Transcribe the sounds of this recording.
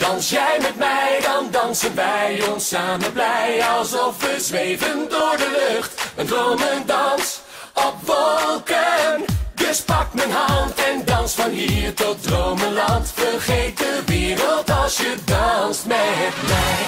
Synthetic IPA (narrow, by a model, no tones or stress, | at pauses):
d̥ɑnsjɛjmɛtmɛjdɑndɑnsənʋɛjɔnsaːmənblɛjɑlˠsɔfʋəzʋejvəndʊːɹdəløχtəndrowməndɑns | ɔpʋɔlˠkəndɵspɑk̚tmənɦɑntɛndɑnsfɑnɦiːɹtɔt̚drowməlɑntfəɹχejt̚dəʋɪːɾəlˠtɑlˠsjədɑnstmɛjɦɛt̚bɛj